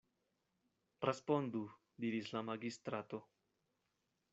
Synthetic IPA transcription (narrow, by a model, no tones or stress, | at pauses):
respond̪u | d̪iɾislamaɡist̪ɾat̪o̞